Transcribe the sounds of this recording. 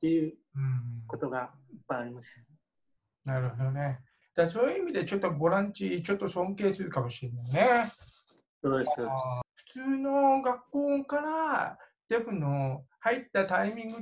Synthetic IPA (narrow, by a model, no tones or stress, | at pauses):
t̪ːejɯ̟ːɯ̟̃ɴkot̪oɡaipːaaɾʲimasɨ̥t̪a | naɾɯ̟ho̞d̪o̞ne | d̪̥aso̞ːjɯ̟imʲid̪e̞t͡ɕo̞t̪ːo̞bo̞ɾãɲt͡ɕit͡ɕo̞t̪ːo̞sõ̞ŋke̞ːt͡sɨɯkamo̞ɕiɾenːajine̞ | soːd̪esoːɸɯ̟̥t͡sɨːno̞ɡakːo̞ːkaɾa | d̪̥e̞ɸɯ̟nohait̪ːat̪aimʲĩŋɡɯ